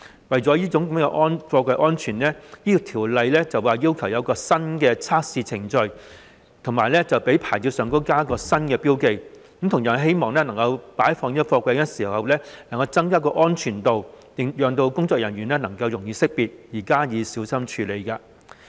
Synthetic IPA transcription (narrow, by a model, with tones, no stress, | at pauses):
wɐ˨jt͡sɔː˨˥jiː˥t͡sʊ˧˥ŋkɐ˨˦mː˥ŋkɛ̰˧ʔɔː˥nfɔː˧kʷɐ˧jʔɔː˥nt͡ʃʰyː˨˩nlɛː˥iː˥kɔ˨˧t̪ʰiː˨˩wlɐ˨jlɛː˥t͡sɐ˨waː˨jiː˥wkʰɐ˨˩wjɐ˨˧wkɔː˧sɐ˥nkɛː˧t͡sʰaː˥k̚siː˧t͡sʰɪ˨˩ŋt͡ʃɵ˧ɥ | t̪ʰʊ˨˩ŋmaː˨˩jlɛː˥t͡sɐ˨wpe˨˥jpʰaː˨˩t͡siː˧wsœː˨ŋkʊ˥kaː˥kɔː˧sɐ˥nkɛː˧piː˥wke˧jkɐ˨˦mt̪ʰʊ˨˩ŋjœː˨˩nɦe˥jmɔː˨ŋlɛː˥nɐ˨˩ŋkɐ˧wpaː˨˥jfɔː˧ŋniː˥kɔ˧fɔː˧kʷɐ˧jkɐ˧˥siː˨˩˨hɐ˨wlɛː˥nɐ˨˩ŋkɐ˧wt͡sɐ˥ŋkaː˥k̬ɔː˧ʔɔː˥nt͡ʃʰyː˨˩nt̪o˨wt̪ɪ˨˩ŋjœː˨ŋt̪o˧wkʊ˥ŋt͡sɔː˧˨k̚jɐ˨˩nɥyː˨˩nɛː˥nɐ˨˩ŋkɐ˧wjʊ˨˩ŋjiː˨˧sɪ˥k̚piː˨t̚jiː˨˩kaː˥jiː˨˧siː˨˥wsɐ˥mt͡ʃʰyː˨˧le˨˧jkaː˧